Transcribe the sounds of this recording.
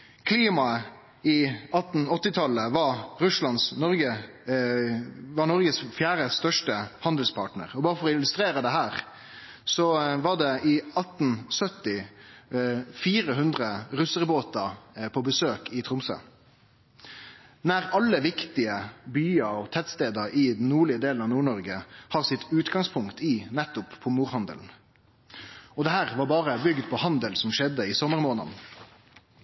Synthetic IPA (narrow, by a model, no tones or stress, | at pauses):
kʰliːmɑə | ɪɑt̪n̩ɔt̪ːɪt̪ʰɑlːəʋɑɾʉslɑnsnɔɾɡə | ʋɑnɔɾɡəsfjæːɾəst̪œʂʈəhɑnd̪l̩spʰɑ̰ːʈnə̰ʁɔbɑːɾəfɔʁɔɪlʉst̪ɾeːɾəd̪ɛɦæːɾ | sɔʋɑɖɛʔɪɑt̪n̩sœt̪ɪ | fiːɾəɦʉnd̪ʁəɾʉsəʁboːt̪ɑpʰɔbəsøːkɪt̪ʰɾʊmsə̰ | næɾɑlːəʋɪkt̪ɪəbyːɑɔt̪ʰɛt̪st̪eːd̪əɾɪd̪n̩nːuːɭɪəd̪eːln̩ɑʋnuːɳɔɾɡəhɑːʁsɪt̪ʉːt̪ɡɑŋspʰʊŋkt̪ʰɪnɛt̪ːʊpʰːɔmuːʁhɑnd̪ə̰ln̩ | ɔd̪ɛɦæːʁʋɑɾbɑːʁəbʏɡd̪pʰɔhɑnd̪əlsɔmʃɛd̪ːəɪsɔmːəʁɾmoːnə̰n